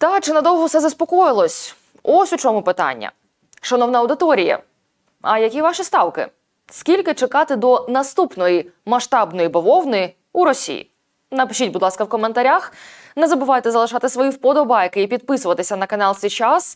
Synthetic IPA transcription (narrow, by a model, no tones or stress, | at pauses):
t̪ɑt͡ʃɪnɐd̪ɔwˠɦɔwsɛzɐspɔkɔjɪlˠɔsʲ | ɔsʲut͡ʃɔmʊpɪt̪ɑ̰nʲːɐ̰ | ʃɐnɔwnɐɐwd̪ɪt̪ɔɾʲijɐ̰ | ɐjɐkʲiʋɑʃist̪ɑwkɪ̰ | skʲilʲkɪt͡ʃekɑt̪ɪd̪ɔnɐst̪upnɔjimɐʃt̪ɑbnɔjibɔʋɔwnɪi | uɾɔsʲḭjḭ | nɐpɪʃʲitʲbʊd̪lˠɑskɐwkɔment̪ɐɾʲax | nezɐbɪʋɑjt̪ɛzɐlˠɪʃɑt̪ɪsʋɔjiwpɔd̪ɔbɑjkɪipʲid̪̚pɪsʊʋɐt̪ɪsʲɐnɐkɐnɑlˠsʲit͡ʃas